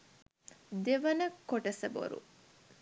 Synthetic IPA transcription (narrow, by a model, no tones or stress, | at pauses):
d̪eʋɐnəkːoʈɐsɐbo̰ɾṵ